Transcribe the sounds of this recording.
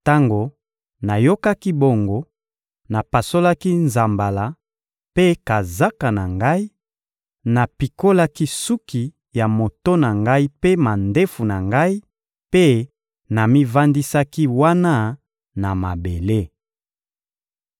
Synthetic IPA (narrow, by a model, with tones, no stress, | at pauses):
ta˦ŋɡo˨ | na˨jo˦ka˦ki˦bo˨ŋɡo˦ | na˨pa˨so˦la˦ki˦nza˨mba˨la˨ | pe˦ka˨za˦ka˨na˨ŋɡa˦i˦ | na˨pi˨ko˦la˦ki˦su˦ki˨ | ja˨mo˨to˦na˨ŋɡa˦i˦pe˦ma˨nde˦fu˨na˨ŋɡa˦i˦ | pe˦ | na˨mi˦va˦ndi˦sa˦ki˦wa˦na˦ | na˨ma˨be˨le˦